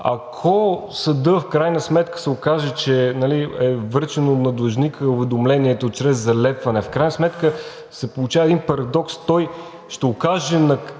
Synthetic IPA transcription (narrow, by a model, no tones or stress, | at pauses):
ɐ̰kʰɔsɐd̪əfkɾajnəsmɛt̪kə̥sɛokaʒɛt͡ʃɛnɐliɛvɤɾt͡ʃɛnot̪nɐd̪lˠɐʒnikəʊvɛd̪omlɛniɛt̪ot͡ʃɾɛzːɐlɛpvɐnɛfkɾajnəsmɛt̪kə | sɛpolˠut͡ʃavəɛd̪inpɐɾɐd̪ɔkst̪ɔj | ʃt̪ɛʊkaʒɛnɐ